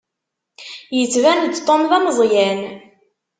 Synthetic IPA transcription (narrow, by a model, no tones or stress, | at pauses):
jət͡sːvænd̪t̪ˤːomðɑməzˤjæn